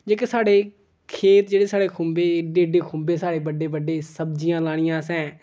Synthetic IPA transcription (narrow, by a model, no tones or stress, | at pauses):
d͡ʒeːkɪsaːɽeː | kʰeːt̪d͡ʒeːɽeːsaːɽeːkʰʊ̃mbeːɖeːɖeːkʰʊ̃mbeːsaːɽeːbəɖeːbəɖeːsəbd͡ʒijãːlaːɽ̃ɪjãːsɛ̃ː